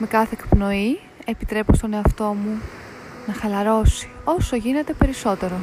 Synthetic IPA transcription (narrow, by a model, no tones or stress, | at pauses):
me̞kɐθe̞ːkpno̞i | e̞pit̪ɾe̞post̪o̞ne̞ɐft̪o̞mu | nɐxɐlɐɾo̞si̥o̞soʝine̞t̪e̞pe̞ɾiso̞t̪e̞ɾo̞